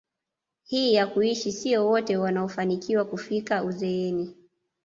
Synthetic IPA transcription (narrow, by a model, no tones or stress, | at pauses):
hiːjakuiʃisiɔwɔtɛwanaɔfanikiwakufikauzɛɛni